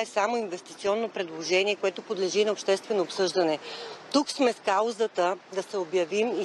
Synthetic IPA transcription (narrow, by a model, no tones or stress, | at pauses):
ɛsamoinvɛst̪i̥t̪siɔnːopɾɛd̪lˠoʒɛniɛkoɛt̪opod̪lɛʒinɐopʃt̪ɛst̪vɛnoːpsɤʒd̪ɐnɛt̪uksmɛskazət̪əd̪ɐsɛobjɐvimi